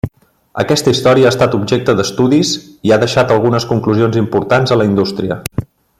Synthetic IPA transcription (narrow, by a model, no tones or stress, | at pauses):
ə̰kɛst̪əist̪ɔɾiəaːst̪at̪ubʒek̚t̪əðəst̪uðiziaðəʃat̪əlˠɣunəskuŋkluzionzimpuɾt̪anzələind̪ust̪ɾiə